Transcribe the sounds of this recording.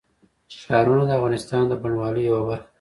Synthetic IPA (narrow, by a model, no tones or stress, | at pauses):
ʃɑɾunad̪əavɣɑnɪst̪ɑnd̪əbaɳwɑləjawabaɾx